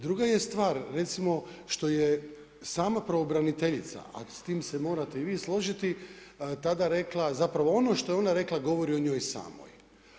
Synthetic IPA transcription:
d̪ɾuɡajest̪ʋaːɾːe̞t̪simo̞ʃt̪o̞je | saːmapɾoːbɾanit̪eʎit̪sa̰ʔa̰st̪iːmsemo̞ːɾat̪e̞iʋiːslˠo̞ʒit̪it̪ad̪aɾe̞klˠazapɾaʋo̞o̞noʃt̪o̞jeo̞naɾe̞klˠaɡo̞ʋo̞ɾioɲo̞ːjsa̰ːmo̰j

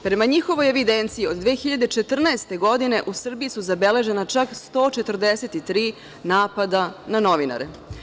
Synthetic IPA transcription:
pɾe̞maɲixo̞ʋo̞jeʋid̪ent̪sijio̞d̪ːʋeːxiʎad̪e̞t͡ʃe̞t̪r̩naest̪e̞ɡo̞d̪ine̞ʔusr̩bijisuzabe̞le̞ʒe̞nat͡ʃakst̪o̞ːt͡ʃe̞t̪r̩d̪e̞set̪it̪ɾiː | naːpad̪anano̞ʋina̰ɾḛ

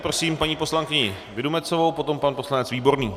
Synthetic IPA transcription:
pɾo̞siːmpaɲiːpo̞slaŋkɪɲɪ | vɪdumɛt͡sovo̞wpot̪o̞mpanpo̞slanɛt͡sviːbo̞ɾniː

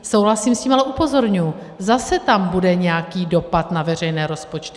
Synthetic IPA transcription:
so̞wɦlasiːmsciːmalɛʔupo̞zo̞ɾɲuju | zasɛt̪ambudɛɲɛjakiːdo̞pat̪navɛr̝ɛjnɛːɾo̞spo̞t͡ʃt̪ɪ

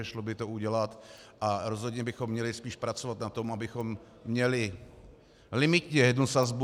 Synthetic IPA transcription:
ɛʃlobɪt̪ouɟɛlat̪ʔaɾozɦod̪ɲɛbɪxomːɲɛlɪspiːʃpɾat͡sovat̪nat̪omabɪxomː | ɲɛlɪ | lɪmɪt̪ɲɛjɛd̪nusazb

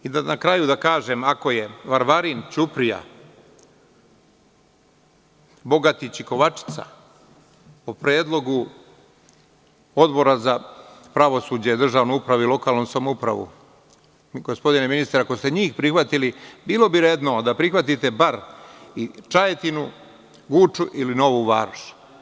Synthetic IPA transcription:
id̪anakɾajud̪akaːʒe̞mako̞je̞ʋaɾʋaɾint͡ɕupɾija̰ | bo̞ɡat̪it͡ɕiko̞ʋat͡ʃi̥t̪sa̰ | opɾeːd̪lˠo̞ɡu | o̞d̪bo̞ɾazapɾaʋo̞suːd͡ʑed̪r̩ʒaːʋnoupɾaʋuilo̞kaːlnomsamoupɾa̰ʋṵ | ɡospo̞d̪ineminist̪ɾako̞st̪e̞ɲiːxpɾixʋat̪ilibiːlˠo̞biɾed̪nod̪apɾixʋat̪it̪e̞baɾit͡ʃajet̪inu | ɡut͡ʃuʔilino̞ʋuʋaːɾʃ

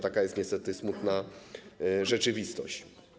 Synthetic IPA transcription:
t̪akajɛst̪ɲɛst̪ɛt̪ɘsmut̪na | ʐɛt͡ʂɘvʲist̪ɔ̰ɕt͡ɕ

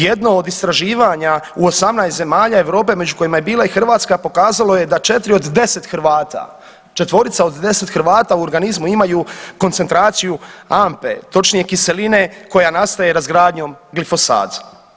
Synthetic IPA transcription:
je̞d̪no̞oːd̪ist̪ɾaʒiːʋaɲauosamnajst̪ze̞maːʎae̞ʋɾo̞ːpe̞me̞d͡ʒuko̞jimaje̞biːlˠaixr̩ʋaːt̪skapo̞kaːzalo̞je̞d̪at͡ʃe̞t̪ɾio̞d̪ːe̞se̞t̪xɾ̩ʋaːt̪a̰ | t͡ʃe̞t̪ʋo̞ɾit̪sao̞d̪d̪e̞se̞t̪xɾʋaːt̪auo̞ɾɡanizmuimajukonsent̪ɾaːt̪sijuampe̞̰t̪o̞t͡ʃnije̞kise̞line̞ko̞janast̪aje̞ɾazɡɾaːd̪ɲo̞mɡlifo̞sa̰ːd̪

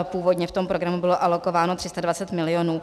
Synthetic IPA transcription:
puːvo̞dɲɛft̪o̞mpɾoɡɾamubɪlo̞ʔalo̞ko̞vaːno̞t̪r̥ɪst̪advat͡sɛt̪mɪlɪjo̞nuː

